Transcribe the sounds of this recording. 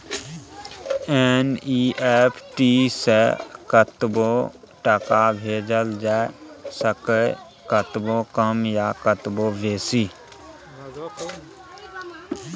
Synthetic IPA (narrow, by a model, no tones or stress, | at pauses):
eniepʰʈiːsekət̪bo | ʈəkabʱeːd͡ʒəld͡ʒaːesəkə | kət̪bokəmjakət̪boʋeːsiː